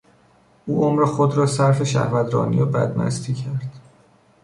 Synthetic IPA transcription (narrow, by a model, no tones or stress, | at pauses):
ʔuːʔomɾexod̪ɾɒːsæɾfe̞ʃæ̰hvæd̪ɾɒ̰ːnḭjebæ̰d̪mæ̰st̪ʰiːcʰæɾd̪̥